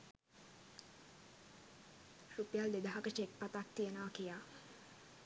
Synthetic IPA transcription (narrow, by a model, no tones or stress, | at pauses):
rupjald̪ed̪aɦakət͡ʃek̚pat̪ak̚t̪iənəʋakijaː